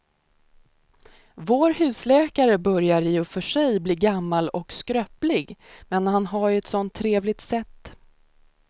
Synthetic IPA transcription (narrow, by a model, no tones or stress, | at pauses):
voːɾhʉ̟ːslɛːkaɾəbœɾjaɾɪʊfœʂɛjbliːɡamːalɔkskɾœːplɪɡmɛnhanɦaɾɛt̪sɔnt̪ʰːɾeːvlɪɡ̚t̪sɛt̪ː